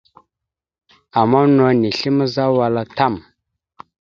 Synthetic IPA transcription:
a˨ma˦no˨ni˨ɬi˦mə˦za˦wa˨la˨ta˦˨m

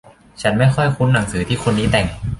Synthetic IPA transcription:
t͡ɕʰa˦˥nma˥˩jxʰɔ˥˩jkʰu˦˥nːa˩˦ŋsɯː˩˦t̪ʰiː˥˩xʰo˧nːiː˦˥t̪ɛ˨˩ŋ

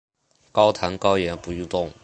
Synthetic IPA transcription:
kɑ˥ʊt̪ʰa˧˥nkɑ˥ʊjɛ˧˥npu˧˥y˥˧t̪ʊ˥˩ŋ

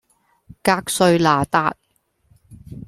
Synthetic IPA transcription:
kaː˧k̚sɵ˧ɥlaː˨˩t̪aː˧t̚

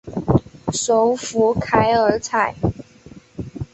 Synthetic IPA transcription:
ʂo˨˧˥ʊfu˧˥kʰa˧˥ɪə˧˥t͡sʰa˥˩ɪ

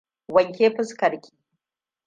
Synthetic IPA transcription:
wɐ˨ŋkʲeː˦ɸɪ˦skɐ˨ɾkʲi̥ː˦

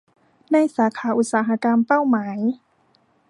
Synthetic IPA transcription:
na˧jsaː˩˦kʰaː˩˦ʔu˧˦˩t̪̚saː˩˦ɦa˧˥ka˧mpa˥˩wmaː˩˦j

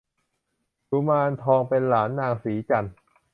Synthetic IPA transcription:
ku˧maː˧nt̪ʰɔː˧ŋpe˧nlaː˩˦nːaː˧˩ŋsiː˩˦t͡ɕa˧n

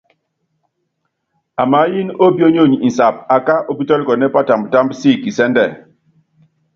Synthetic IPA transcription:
a˨ma˨˦ji˦no˦bjo˦ɲo˦˨ɲ˨i˨n˨sa˨pa˨ka˦ʔo˦bi˦tɔ˦li˦kɔ˨nɛ˦pa˦ta˨mbta˦mbsi˦˨ki˨sɛ˦ndɛ˦˨

